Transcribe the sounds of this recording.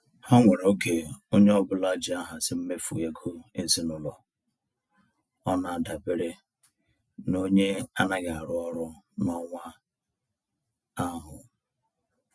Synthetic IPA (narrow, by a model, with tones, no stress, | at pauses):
hɔ˦ŋʷe˨ɾo˦ke˨o˦ɲe˦ɔ˦bʊ˦la˦d͡ʒi˨a˦ɦa˨sɪ˦m̩˦me˦fu˨je˨kʰo˦e˦si˦nʊ˦lɔ˨ | ɔ˦na˨a˨da˨be˦ɾe˦ | no˦ɲe˦a˦na˦ɡa˨a˨ɾʊ˦ɔ˦ɾʊ˦nɔ˨ŋʷa˦ | a˦ɦʊ˨